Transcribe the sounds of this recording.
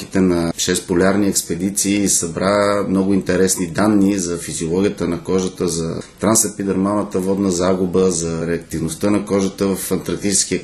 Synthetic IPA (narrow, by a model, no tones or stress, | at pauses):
ki̥t̪ɛnɐʃɛspolʲaɾniɛkspɛd̪it̪siːsɐbɾamnɔɡʊint̪ɛɾɛsnid̪anːizɐfiziolˠɔɡʲijət̪ənɐkɔʒət̪əzɐt̪ɾansɐpid̪ɛɾmanət̪əvɔd̪nəzaɡʊbəzɐɾɛɐk̚t̪ivnost̪ənɐkɔʒət̪əvɐfɐnt̪ɾɐɾk̚t̪it͡ʃɛskiə